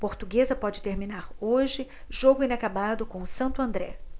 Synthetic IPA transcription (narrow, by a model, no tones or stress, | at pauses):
poɾt̪uɡezɐpɔd͡ʒɪt̪eɾmĩnaɾoʒɪ | ʒoɡʊĩnakabad̪ʊkõsɐ̃nt̪ʊɐ̃nd̪ɾɛ